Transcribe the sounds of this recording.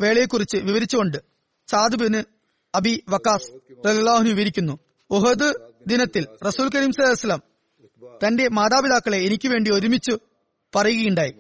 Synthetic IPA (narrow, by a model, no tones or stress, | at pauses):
ʋe̞ːɭɐjekːurit͡ɕːɨʋiʋɐɾit͡ɕːuɣo̞ɳɖɨ | t͡ɕaːd̪ɨbɐnɨ | ɐbiʋɐkːaːsrɐljɐlːaːɦunuʋɐɾikʲːunːu | oɦɐd̪ɨd̪inɐt̪ːilrɐsuːlk̬ɐɾiːmsɐlaːjɐsɐlɐm | t̪ɐnde̞maːd̪aːbiðaːkːɐɭe̞ːnikʲːuʋe̞ːɳɖio̞ɾumit͡ɕːu | pɐrɐjuɣɐjuɳɖaːji